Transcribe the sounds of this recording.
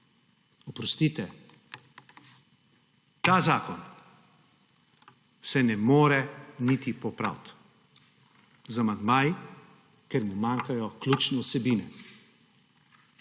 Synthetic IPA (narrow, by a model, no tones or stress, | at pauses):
ɔpɾɔst̪iːt̪ɛ | t̪aːzaːkɔn | sɛnɛmoːɾɛnit̪ipɔpɾa̰wt̪ | zamad̪maj | kɛɾmumaːŋkajɔklʲut͡ʃnɛusɛbiːnɛ